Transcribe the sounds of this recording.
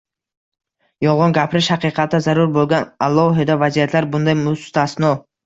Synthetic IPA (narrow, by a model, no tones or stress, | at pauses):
jɒʁɒnɡʲapʰɾɪʃhaqɨqʰɑt̪ʰːazaɾʊɾbolˠɡʲanalˠːɒɦɪd̪avazijat̪ʰlaɾbʊnd̪ajmʊst̪asnɒ